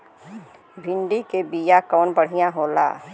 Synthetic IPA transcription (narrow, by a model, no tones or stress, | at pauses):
bʱɪ̃ɳɖikebijakɔːnbəɽ̤ijãɦoːla̰ː